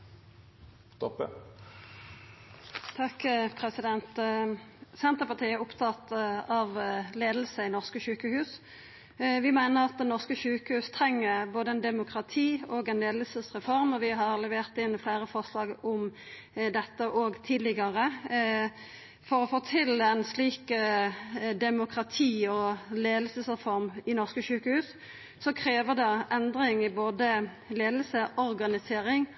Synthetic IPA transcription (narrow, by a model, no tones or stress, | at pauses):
st̪ɔpə | t̪ʰɑkpʰʁɛsɪd̪ɛnt̪ | sɛnt̪əpɑʁt̪ʰiːæʊpt̪ʰɑt̪ɑʋleːd̪l̩səɪnɔʁskəʃʉːkəhʉːs | ʋɪmæɪnəʁɑt̪̚d̪ɛnɔʁskəʃʉːkəhʉːst̪ʰɾɛŋːəboːd̪əɛnd̪ɛmʊkʁɑt̪ʰiːɔːɡɛnleːd̪lsəsʁɛfɔʁmɔʋɪɦɑʁlɛʋeːʁt̪ɪnːfleɪɾəfɔʁʂlɑːɡʊm | d̪ɛt̪ːəʔɔɡt̪ʰiːd̪lɪɡɑʁə | fɔɾɔfoːt̪ʰɪlæɪnsliːk | d̪ɛmʊkʁɑt̪ʰiːɔleːd̪lsəsʁɛfɔɾmɪnɔʁskəʃʉːkəhʉːs | sɔkʰɾeːʋəʁd̪ɛʔɛnd̪ɾɪŋɪboːd̪ə | leːd̪lsəʔɔɾɡɑnɪseːɾɪŋ